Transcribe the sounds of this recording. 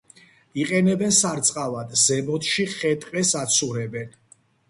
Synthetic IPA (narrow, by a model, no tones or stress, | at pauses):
iqʼɛnɛbɛnsaɾt̪sʼqʼavad̪zɛmɔt̪ʃiχɛt̪ʼqʼɛsat̪sʰuɾɛbɛn